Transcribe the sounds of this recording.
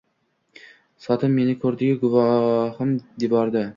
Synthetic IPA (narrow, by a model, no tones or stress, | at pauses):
sɒt̪ʰɪmːe̞nɪkʰɵɾd̪ɪɡʲaɡʊvɑhɪmd̪ɪbɒɾd̪ɪ